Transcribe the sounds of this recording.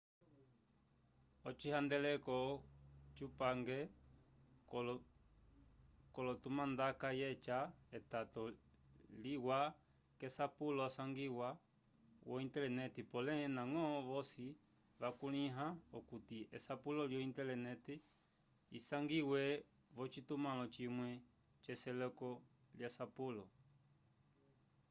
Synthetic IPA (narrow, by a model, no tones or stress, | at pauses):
ɔt͡ʃihand̪ɛlɛkɔt͡ʃupaŋɡɛ | l | kɔlɔt̪umãnd̪akajɛt͡ʃaɛt̪at̪ɔ | liwa | kesapulɔasaŋɡiwa | wɔintɛlɛnɛtipɔlɛnaŋɔʋɔsi | ʋakuliɦaɔkutiɛsapulɔljɔintɛlɛnɛti | ḭsaŋɡiwɛ | βɔt͡ʃitumalɔt͡ʃimwɛ | t͡ʃɛsɛlɔkɔ | ljasapulɔ